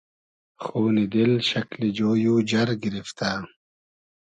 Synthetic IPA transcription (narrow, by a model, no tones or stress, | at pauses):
xuːnid̪ilɕɐklid͡ʑoːjuːd͡ʑɐɾɡiɾift̪aː